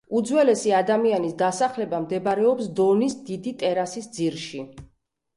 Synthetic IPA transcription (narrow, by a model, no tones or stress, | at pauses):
ud̪zwɛlɛsiad̪amianisd̪asaχlɛbamd̪ɛbɾɛɔpsd̪ɔnisd̪id̪it̪ʼɛɾasisd̪ziɾʃi